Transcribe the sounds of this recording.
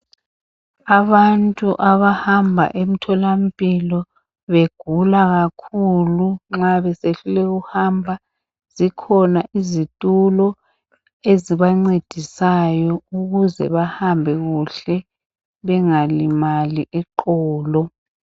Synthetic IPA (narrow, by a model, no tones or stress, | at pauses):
aβantʼuʔaβahambʱa̰ʔem̩tʰɔlam̩pʼilɔ | βeɡ̥ʱulaɣakʰuluŋ͡ǁaβɛseɬulɛɣuhambʱa | z̥ikʰɔnaʔizitʼulɔ | eziβaŋ͡ǀed̥ʱisajɔuɣuzɛ̰βahambʱɛɣuɬɛ | βɛŋalimaliʔɛǃɔːlɔ